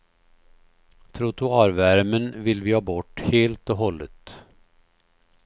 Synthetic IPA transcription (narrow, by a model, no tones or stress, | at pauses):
t̪ʰɾʊt̪ʰʊɑːɾvæɾmənvɪlvɪhɑːbɔʈːheːlt̪ɔɦɔlːə̰t̪